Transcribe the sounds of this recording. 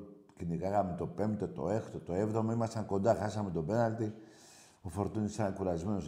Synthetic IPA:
cinikɐɣamet̪o̞pe̞mt̪et̪o̞̰e̞xt̪ot̪o̞evðo̞moimɐsɐŋko̞nd̪ɐxɐsamet̪o̞be̞nalt̪i | ofo̞ɾt̪unisakuɾɐzme̞nos

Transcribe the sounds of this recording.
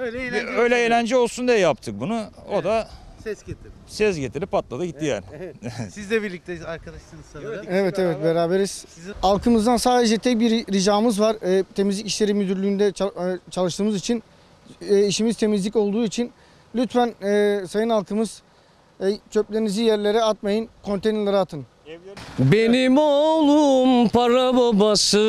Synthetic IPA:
løjlʲɛelʲænd͡ʒɛo̞lˠsund̪ejɛjap̚t̪ʰɯk̚bunuod̪a | t̪ | sɛzɟet̪ʰiɾipʰːat̪lˠad̪aɟit̪ːija̰ːnɪsizlɛbiɾlʲic̚t̪eaɾkad̪aʃt̪ˠɯnevɛt̪ʰevɛt̪̚beɾaːbeɾiz̥alˠkʰɯmɯzd̪ansaːd̪e̞d͡ʒɛt̪ʰɛc̚biɾɾiʒaːmɯzvaɾ̥ɛt̪ʰe̞mizlʲiciʃlʲe̞ɾimyd̪yɾlʲyːnd̪ɛt͡ʃʰalˠɯʃt̪ɯːmɯzit͡ʃʰinː | iʃimizt̪ʰe̞mizlʲico̞lˠd̪uːit͡ʃʰin | lʲyt̪fænɛːsajɯnalˠkʰɯmɯz̥ | ɛjt͡ʃʰø̞plʲenizʲijæɾlʲe̞ɾɛat̪̚majɯnkʰo̞nt̪ʰejnlˠaɾat̪ʰɯn | benimolˠumpʰaɾabobasɯ

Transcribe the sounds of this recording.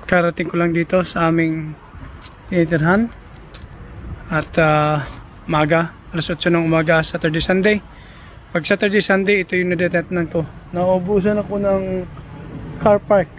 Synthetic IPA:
kaɾɐt̪ɪŋkolaŋd̪iːt̪o̞sɐʔaːmɪŋ | t̪ɪnit̪ɪɾɦan | ʔɐt̪a | ʊmaːɡa | ɐlɐsot̪ːt͡ʃːonɐŋʔʊmaːɡɐsat̪ɛɹd̪ejsand̪ej | pɐɡ̚sat̪ɛɹd̪ejsand̪ejɪt̪ojʊŋnɐd̪ɛt̪ɛp̪nɐnkonɐʔobuːs̬ɐnɐkonɐŋ | kʰaɹpaɹk̚

